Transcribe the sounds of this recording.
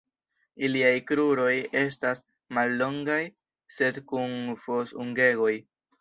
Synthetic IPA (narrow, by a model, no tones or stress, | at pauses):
iliajkɾuɾo̞je̞s̬tas | malːo̞ŋɡaj | se̞dkunfo̞suŋɡe̞ɡo̞j